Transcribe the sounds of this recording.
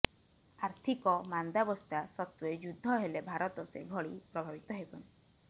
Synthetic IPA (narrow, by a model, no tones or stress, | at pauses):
aɾt̪ʰikɔmand̪abɔst̪ʰasɔt̪ued͡ʒud̪ʱːɔɦelebʱaɾɔt̪ɔsḛɡʱɔɽipɾɔbʱabit̪ɔɦebɔn